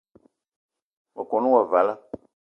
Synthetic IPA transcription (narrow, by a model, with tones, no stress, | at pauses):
wa˨kɔ˨nũ˦wa˨va˨la˦